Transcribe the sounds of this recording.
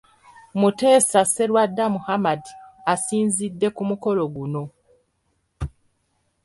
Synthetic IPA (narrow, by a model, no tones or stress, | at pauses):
mute̞ːsase̞lwadːamuhamadiasiːnzidːe̞kumuko̞lo̞ɡuno̞